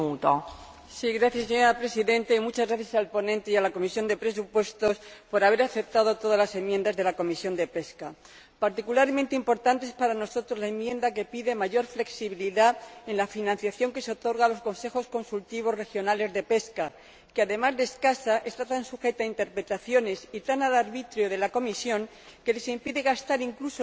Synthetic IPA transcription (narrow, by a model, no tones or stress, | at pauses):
ut̪o | siɣɾaθjasːeɲo̞ɾapɾe̞siðẽ̞nt̪aimut͡ʃazɣɾaθjasalpo̞nẽnt̪eialako̞misjo̞nd̪e̞pɾe̞s̬upwe̞st̪o̞spo̞ɾaβ̞e̞ɾaθep̚t̪að̞o̞t̪o̞ðazlase̞mjend̪azðe̞lako̞misjo̞nd̪e̞pe̞ska | paɾt̪ikulaɾmẽnt̪e̞impo̞ɾt̪ant̪eespaɾano̞so̞t̪ɾo̞zlae̞mjẽ̞nd̪ake̞piðe̞maʝo̞ɾfle̞ksiβ̞iliðae̞nlafinãn̟θjaθjo̞ŋke̞seo̞t̪o̞ɾɣalo̞sko̞nse̞xo̞sko̞nsult̪iβ̞o̞zre̞xjo̞nale̞zðe̞pe̞ska | keaðe̞mazðe̞skasaʔe̞st̪at̪ansuxe̞t̪aint̪e̞ɾpɾe̞t̪aθjo̞ne̞sit̪analaɾβit̪ɾjoðe̞lako̞misjo̞ŋ | ke̞le̞simpiðeɣast̪aɾiŋkluso